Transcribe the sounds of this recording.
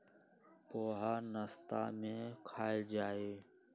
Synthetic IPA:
poːɦaːnəst̪a̰ːmẽːkʰaːeːd͡ʒaːeː

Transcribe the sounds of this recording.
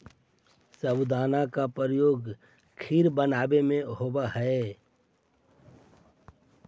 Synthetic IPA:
səbd̪aːnakapəɾəjoːɡ | kʰiːɾbənaːbemẽɦoːbaɦɛe

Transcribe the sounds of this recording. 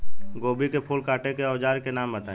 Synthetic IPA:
ɡoːbikepʰuːlkaːʈekeɔːd͡ʒaːɾkenaːmbət̪aː

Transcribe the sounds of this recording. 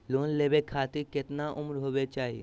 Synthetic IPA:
loːnleːbekʰaːt̪ɪɾkɪt̪naʔʊmɾɦoːʋet͡ʃaːɦie

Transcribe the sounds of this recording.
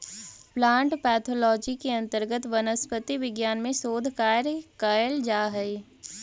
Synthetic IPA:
plãːɳʈpɛːt̪ʰoːlɔːd͡ʒikeɐ̃nt̪əɾɡət̪ʋɐnəspət̪iʋɪɡjaːnmẽsoːd̪ʱkaːɾkaːjəld͡ʒaːɦɛi

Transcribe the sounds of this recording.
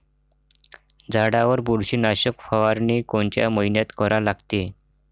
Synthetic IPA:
d͡zaɽaʋəɾbuɽɕiːnaɕəkfaʋaɾniːkoɳt͡ɕja̰məɦinjat̪kəɾalaɡt̪e

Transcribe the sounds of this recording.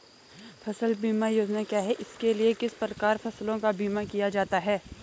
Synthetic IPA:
fʰɐsəlbiːmajoːd͡ʒnakjaːɦɛʔɪskeliekɪspɾəkaːɾfɐslõkabiːmakijad͡ʒaːt̪aɦɛː

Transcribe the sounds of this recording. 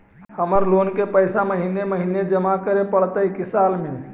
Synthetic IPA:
həməɾlonkepəjsaməɦineməɦined͡ʒəmakəɾepəɽt̪əikisalme

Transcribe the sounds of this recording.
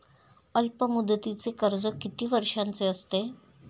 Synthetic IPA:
əlpəmud̪ːət̪it͡sekəɾd͡zəkit̪iːʋəɾʂant͡seəst̪e

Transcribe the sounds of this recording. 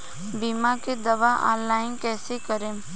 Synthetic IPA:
biːmaked̪ɐʋaʔɔ̰̃ːnlaːɪnkɛːsekəɾẽː

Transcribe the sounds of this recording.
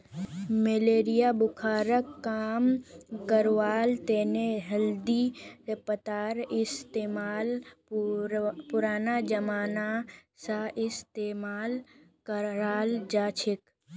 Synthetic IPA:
meleːɾijabʊkʰaːɾəkːaːmkəɾʋaːlt̪eːneɦəld̪ipət̪aːɾɪst̪eːmaːl | pʊɾaːnad͡ʒəmaːnasãʔɪst̪emaːlkəɾaːld͡ʒaːt͡ʃʰek

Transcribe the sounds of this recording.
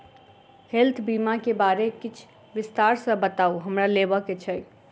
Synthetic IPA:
helt̪ʰbimakebaɾekit͡ʃʰ | ʋɪst̪aɾsə̃bət̪auɦəmɾalebəket͡ʃʰəj

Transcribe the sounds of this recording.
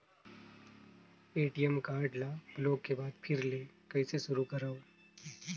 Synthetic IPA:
eːʈijəmkaːɾɖlabloːɡkːebaːd̪pʰɪɾleːkɐɪseʃʊɾukɐɾaːo

